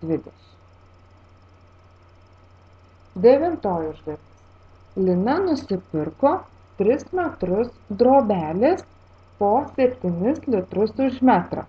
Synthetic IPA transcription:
d̪ʲʋʲɪd̪ʲɛʃʲɪ̥m | d̪ʲɛʋʲɪnt̪oːjʊʒd̪ɐtʲɪs | lʲɪnɐnʊsʲɪpʲɪɾkoː | t̪ʲɾʲɪsmʲɛt̪ɾʊsd̪ɾoːbʲæːlʲeːs | poːsʲɛpʲt̪ʲɪnʲɪslʲɪt̪ɾʊsʊʒʲmʲæt̪ɾɐ̰ː

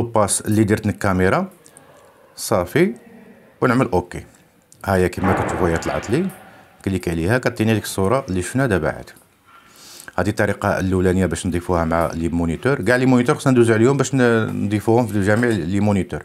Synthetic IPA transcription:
opːɑslːid̪iɾt̪nəkːæmeɾˤɑ | sˤɑfi | wnəʕməlʔoke | hæjækimːækæt̪ːufæjæt̪ˤlʕɑ̰t̪ˤli | kælikæʕlihækæt̪ːiniæd̪əkə̥sˤːuɾˤɑʔlːiʃnæd̪æba̰ʕə̰d̪̥ | hæd̪it̪ˤːɑɾiqɑəlːuwlænəjːabæʃnd̪ˤifuhæmʕa̰limunit̪uɾɡaʕlimunit̪uɾxə̥sːɑnd̪uzəʕəljumbæʃnd̪ˤifuhʊmfilʒæmiʕlimunit̪uɾ

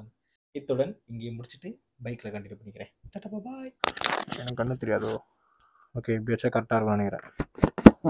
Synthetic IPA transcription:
m | ɪt̪ːɯɽɐnɪŋɡeːmʊɽɪt͡ʃːɪʈːɯ | bɐɪkːɪlɐkɐɳɖɪʈːɯpɐɳːɪkːɪɾẽːʈɐʈːɐbɐbaːjɛnɐkɐɳːɯt̪ɛɾɪjaːðo | oːkeːɪbjɐːt͡ʃːaːkɐʈːaːɾɯkmaːɳɯkɪɾã̰ː

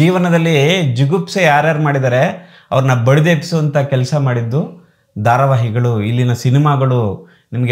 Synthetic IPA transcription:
iːʋɐnɐd̪ɐlːid͡ʒiɡupsejaːɾjaːɾumaːɽid̪ɐːɾe̞ | ɐ̰ʋɐɾɐnːɐbɐɭud̪eːpi̥suʋɐnt̪ʰɐkɛlsɐmaːɽid̪ːu | d̪ʱaːɾɐʋaːɦiɡɐɭuilːinɐsinimaːɡɐɭu | nimɐɡe

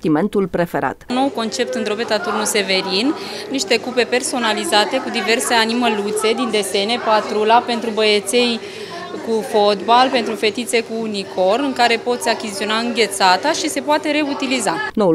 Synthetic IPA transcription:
t̪iment̪ulpɾe̞feɾa̰t̪nːo̞wko̞nt͡ʃe̞p̚t̪ɨnd̪ɾo̞pe̞t̪at̪urnuse̞ve̞ɾin | niʃt̪e̞kupe̞pe̞rso̞nalizat̪e̞kud̪ive̞rse̞animəlut̪se̞d̪ind̪e̞st̪e̞ne̞pat̪ɾulape̞nt̪ɾubəjet̪se̞j | kufo̞t̪balpe̞nt̪ɾufe̞t̪it̪se̞kuːniko̞rɨŋkaɾe̞po̞t̪sʲakʲizit̪io̞naɨŋɡʲe̞t̪sat̪aʃise̞poat̪e̞ɾe̞ut̪ilizanou

